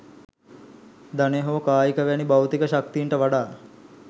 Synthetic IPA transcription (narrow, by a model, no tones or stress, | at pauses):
d̪aneɦoːkaːjikəʋænibawt̪ikəʃak̚t̪iɳʈəʋaɖaː